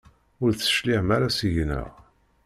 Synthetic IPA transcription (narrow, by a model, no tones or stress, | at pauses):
ʊɾθə̥ʃliʕmæɾasiʝnə̰ʁ